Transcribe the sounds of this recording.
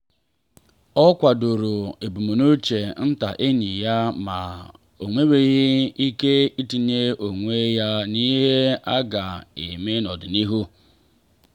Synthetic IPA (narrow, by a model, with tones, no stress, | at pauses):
ɔ˦kʷa˨do˨ɾo˨e˨bu˨mu˨nu˦t͡ʃe˨n̩˦ta̰˨ʔe˦ɲi˨ja˦ma˨ | o˨ŋʷe˦we˦ɣɪ˦i˦ke˦i˦ti˨ɲe˦o˨ŋʷe˦ja˦ni˦ɦɦe˦a˦ɡa˨ḛ˨me˦nɔ˨dʊ˨ni˦ɦu˦